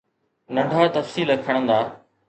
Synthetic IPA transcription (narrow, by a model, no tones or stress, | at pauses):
nɐ̃ɳɖʱaːt̪ɐfsiːləkʰəɽ̃ə̃nd̪aː